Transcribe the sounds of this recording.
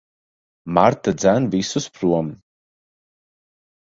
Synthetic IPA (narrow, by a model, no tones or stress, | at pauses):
maɾt̪ad̪zænvisuspɾuɔm